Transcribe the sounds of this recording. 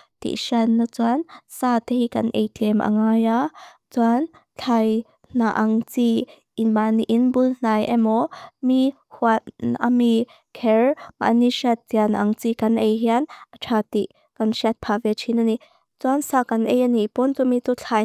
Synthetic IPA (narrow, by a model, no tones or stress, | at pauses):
t̪ḭʔʃanːat͡suansat̪ehikɐnʔḛjtʰiɛmʔa̰ŋaːja | t͡suan | t͡ɬʰaj | naʔaŋt͡si | ʔinbaniʔinbuln̥ajʔɛmɔmi | huatʔa̰mi | kʰɛɹma̰ʔniʃat̪̚t͡sianaʔaŋt͡sikanʔejɦianaʈ͡ʂʰat̪iʔ | kanʃiat̪̚pʰavɛt͡ʃʰinani | t͡suansaːkanʔɛjanipɔnt͡sumit͡sut͡ɬʰaj